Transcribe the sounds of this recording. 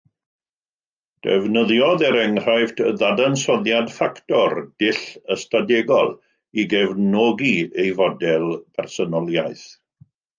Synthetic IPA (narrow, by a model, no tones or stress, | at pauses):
d̥ɛ̰vnəðjɔðɛɾɛŋr̥ajvdðadansɔðjadfaktɔrd̥ɪɬəstadɛɡɔ̰lˠ | iɡɛvnɔɡiejvɔdɛlˠpʰɛrsɔnɔlˠjaɨθ